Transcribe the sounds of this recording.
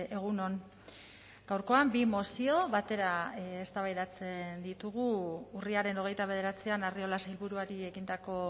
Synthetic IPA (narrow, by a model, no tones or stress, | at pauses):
e̞ɣ̞uno̞n | ɡ̥awɾko̞ambimo̞sio̞βat̪e̞ɾaest̪aβajðat͡se̞nd̪it̪uɣ̞uːriaɾe̞no̞ɣ̞e̞jt̪aβ̞e̞ð̞e̞ɾat͡sianario̞lasailβuɾuaɾie̞ɣind̪ako̞